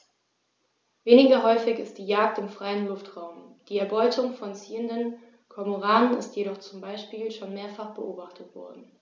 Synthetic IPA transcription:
veːnɪɡɐɦɔʏfɪçɪst̚d̥iːjaːk̚tɪmfʁ̥aɪənlʊftʁ̥aʊmd̥iːɛɐbɔʏtʰʊŋfɔnt͡siːəndən | kʰɔɐmoʁaːnənɪstjeɾɔχt͡sʊmbaɪʃpiːlʃoːnmeːɐfaχb̥əʔoːbaχtʰətv̥ɔ̰ɐdn̩

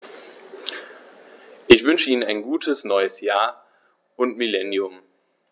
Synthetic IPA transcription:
ʔɪçv̥ʏnʃəiːnənaɪnɡuːtʰəsnɔʏəsjaːɐ | ʔʊntmilɛnjʊm

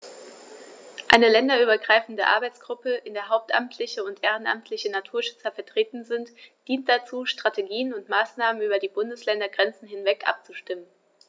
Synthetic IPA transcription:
ʔa̰ɪnəlɛndɐyːbɐɡʁaɪfn̩dəʔa̰ɐbaɪt͡sɡ̥ʁʊpəʔɪndeːɐɦaʊp̚tʔa̰mtʰlɪçəʊntʔeːʁ̞ənʔa̰mtʰlɪçənatʰuːɐʃʏ̥t͡sɐfɛɐtʁ̥eːtn̩zɪntd̥iːnt̚d̥at͡suːʃtʁ̥ateɡiːənʊntmaːsnaːmənyːbɐdiːbʊndəslɛndɐɡʁɛnt͡sn̩ɦɪnvɛkʔa̰p̚t͡suʃtɪmən

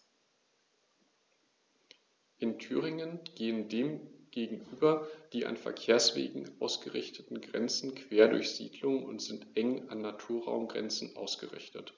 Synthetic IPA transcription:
ʔɪntʰyːʁɪŋənɡ̥eːəndeːmɡ̥eːɡŋ̩ʔyːbɐd̥iːʔa̰nfɛ̰ɐkʰeːɐsv̥ḛːɡŋ̩ʔa̰ʊsɡ̥əʁɪçtʰətn̩ɡʁɛ̰nt͡sn̩kʰv̥eːɐdʊ̰ɐçz̥ḭːdlʊŋʊ̰ntz̥ɪntʔɛŋa̰nːatʰuːɐʁa̰ʊmɡʁɛ̰nt͡sn̩ʔa̰ʊsɡ̥ə̰ʁɪ̰çtət

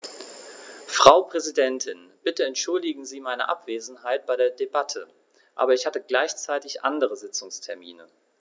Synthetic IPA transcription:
fʁ̥aʊpʁ̥ɛzidɛntʰɪnb̥ɪtəɛntʃʊldɪɡŋ̩ziːmaɪnə̰ʔa̰pv̥eːzn̩haɪt̚b̥aɪɾeːɐdebatʰə | ʔa̰ːbɐɪçhatəɡlaɪçt͡saɪtɪçʔa̰ndəʁəzɪt͡sʊŋstʰɛɐmḭːnə

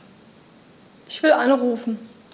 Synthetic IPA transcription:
ʔɪçv̥ɪlʔanʁuːfn̩

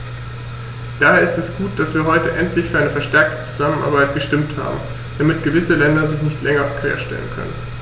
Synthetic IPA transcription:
d̥aːheːɐɪstɛsɡ̥uːt̚d̥asv̥iːɐɦɔʏtəʔɛntlɪçfyːɐaɪnəfɛɐʃtɛɐk̚tə̥t͡su̥zamənʔa̰ɐbaɪt̚ɡ̥əʃtɪmtha̰ːbm̩ | d̥amɪtɡ̥əvɪsəlɛndɐzɪçnɪçtlʔɛŋɐkv̥ḛːɐʃtɛ̰lə̰nkʰœ̰nə̰n

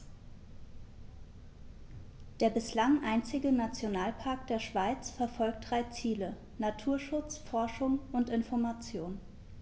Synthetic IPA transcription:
d̥eːɐbɪslaŋʔaɪnt͡sɪɡənat͡sjonaːlpʰaɐk̚d̥eːɐʃv̥aɪt͡sfɛɐfɔlk̚t̚d̥ʁaɪt͡siːlə | natʰuːɐʃʊt͡sfɔɐʃʊŋʊntɪnfɔɐmat͡sjoːn

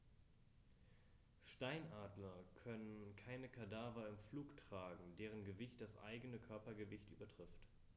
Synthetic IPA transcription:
ʃtaɪnʔaːdlɐkʰœnənkʰaɪnəkʰadaːvɐɪmfluːktʁ̥aːɡŋ̩deːʁ̞ənɡəvɪçtd̥asʔa̰ɪɡənəkʰœɐpɐɡəvɪçtʔy̰ːbɐtʁ̥ɪft

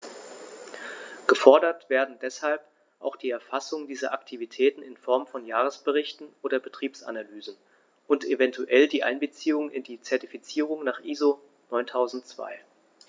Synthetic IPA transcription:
ɡ̥əfɔɐdɐtv̥eːɐdn̩dɛshalp | ʔa̰ʊxd̥iːɛɐfasʊŋdiːzɐʔaktʰivitʰɛːtn̩ɪnfɔɐmfɔnjaːʁ̞əsb̥əʁɪçtn̩ʔoːdɐbətʁ̥iːpsʔa̰nalyːzn̩ | ʔʊntevɛntʰuʔɛldiːʔa̰ɪnbət͡siːʊŋnɪ̰ndiːt͡sɛɐtifit͡siːʁ̞ʊŋnaːχʔiːzo | nɔʏntʰaʊzn̩tt͡sv̥a̰ɪ

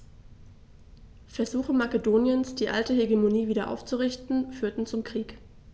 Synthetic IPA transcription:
fɛɐzuːxəmakedoːnjənsd̥iːʔa̰ltəɦeɡemoniːviːdɐʔa̰ʊft͡suʁɪçtn̩fyːɐtn̩t͡sʊmkʁ̥iːk

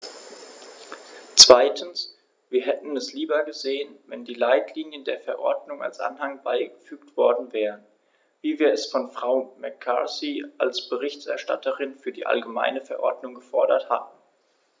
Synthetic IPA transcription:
t͡sv̥aɪtʰn̩s | viːɐɦɛtn̩ɛsliːbɐɡəzeːənvɛndiːlaɪtʰliːnjəndeːɐfɛɐʔɔɐdnʊŋa̰lsʔa̰nhaŋbaɪɡəfyːktv̥ɔɐdn̩vɛːʁən | viːviːɐɛsfɔnfʁ̥aʊmɛkʰːa̰siʔalsb̥əʁɪçtɛɐʃta̰tʰəʁɪnfyːɐdiːʔa̰lɡəma̰ɪnəfɛɐʔɔɐdnʊŋɡəfɔɐɾɐtha̰tn̩

